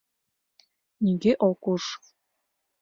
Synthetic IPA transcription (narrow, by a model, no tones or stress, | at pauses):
nʲiɡeʔokuʂ